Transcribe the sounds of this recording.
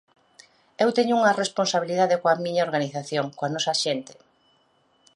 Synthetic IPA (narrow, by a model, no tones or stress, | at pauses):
ewt̪eɲʊuŋɐresponsaβiliðaðekoɐmĩɲaoɾɣaniθaθjoŋkoanɔsɐʃent̪ɪ̥